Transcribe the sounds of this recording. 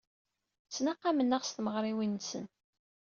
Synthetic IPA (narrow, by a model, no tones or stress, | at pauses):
t͡sːnaqːamənːəʁst̪məʁɾˤiwinːsə̰n